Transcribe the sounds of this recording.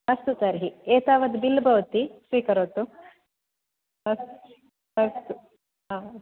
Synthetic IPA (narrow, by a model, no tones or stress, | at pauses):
ɦɐst̪ut̪ɐɾɦieːt̪aːʋɐd̪bilːbʱɐʋt̪isʋiːkɐɾoːt̪ːu | ɐst̪ | ɐst̪u | ɦaː